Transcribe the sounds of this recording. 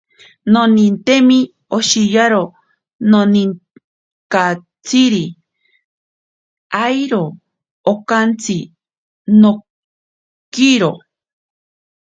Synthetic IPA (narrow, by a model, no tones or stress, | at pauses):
nonint̪emi | oʃijaɾo | nonin | ka | t͡siɾi | ajɾoː | kant͡sʰi | no | kiɾo